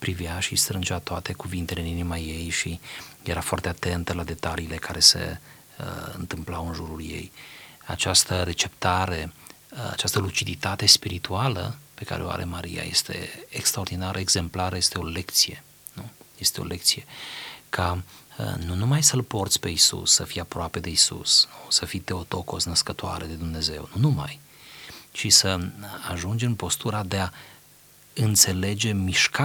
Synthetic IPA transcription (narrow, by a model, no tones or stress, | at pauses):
pɾivjaʃist̪ɾɨnd͡ʒeat̪oat̪e̞kuvint̪eleninimaje̞jʃijeɾafoa̰rt̪eat̪e̞nt̪əlad̪e̞t̪aliːle̞kaɾe̞se̞̰ | əɨ̰nt̪ɨmplawɨnʒuɾulje̞̰ja̰t͡ʃast̪əɾe̞t͡ʃe̞pt̪aɾe̞ | a̰t͡ʃast̪əlut͡ʃid̪it̪at̪e̞spiɾit̪ualə̰pe̞ka̰ɾeoa̰ɾʔe̞̰maɾḭja̰je̞̰st̪ʰe̞̰ekst̪ɾao̞rd̪inaɾʔəeɡz̥e̞mplaɾəje̞st̪eo̞le̞kt̪sije̞ | nuje̞st̪e̞o̞̰lʔe̞k̚t̪sije̞kʰa | nunumajsəlpo̞rt̪sʲpe̞isṵsːəfijapɾoape̞d̪e̞isṵsnusəfijt̪e̞ot̪o̞ko̞snəskət̪oa̰ɾed̪e̞d̪umne̞ze̞̰wnunuma̰j | t͡ʃisəaʒund͡ʒempo̞st̪uɾad̪e̞a | ɨnt̪se̞le̞d͡ʒe̞miʃka